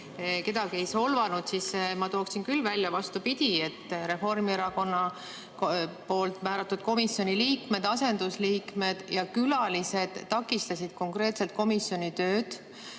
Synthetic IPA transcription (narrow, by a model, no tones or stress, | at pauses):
ke̞d̪ɑɡie̞jso̞lvɑnud̪̥sismɑt̪oːksinkylvælʲjɑvɑst̪upid̪ʲie̞t̪ːˑɾe̞fo̞rmieɾɑko̞nːɑ | po̞ːlt̪ˑmæːɾɑt̪ːˑud̪̥̚ko̞misjo̞nʲiliːkme̞d̪̥ɑse̞nd̪̥usliːkme̞d̪̥jɑkylɑlise̞d̪̥ːɑkːˑist̪ɑsid̪̥ko̞ŋkre̞ːt̪selt̪̚ko̞misjo̞nʲit̪ø̞ːd̪̥